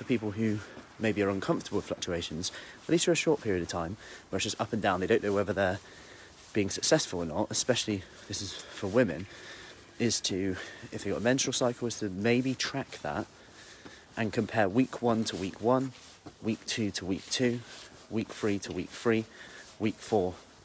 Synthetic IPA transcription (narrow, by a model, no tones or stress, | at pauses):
fəpiˑpəl̩ˠɦʉ | meɪbiəɹʌ̃nkʰʌ̃ɱftəblˠə̥flʌk̚t͡ʃʉeɪʃə̃nz̥əʔlisəɹəʃɔɹʔ̚pʰɪɹiəɾəv̥tʰãɪ̃mwə̥d͡ʒ̥ʌstʌpə̃ndãʊ̃nðeɾõʊ̃nːoʊwɛvəðə | b̥iɪ̃ŋsəksɛsfəlˠənɒtəspɛʃl̩ˠi | ðɪsɪz̥fəwɪ̃mɪ̰̃n | ɪz̥tʰəɪfɨɡɑtmɛ̃nt͡ʃɹəl̩ˠsaɪkʰl̩ˠɪz̥tʰəmeɪbitʰɹ̥ak̚ðə̰t̚ | ʔə̃nkʰə̃mpʰɛːɹwiˑkʰwʌ̃ntʰəwiˑkʰwʌ̃n | wiˑk̚tʰʉtʰəwiˑk̚tʰʉ | wiˑkfɹitʰəwḭˑkfɹiːwiˑkfɔɹ